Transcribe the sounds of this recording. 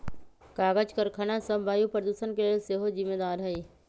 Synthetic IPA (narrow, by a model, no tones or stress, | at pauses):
kaːɡəd͡ʒkɐɾkʰɐnasɐbbʱaːjupɾəd̪uʃənkeseːɦozɪmːeːd̪aːɾɦɐi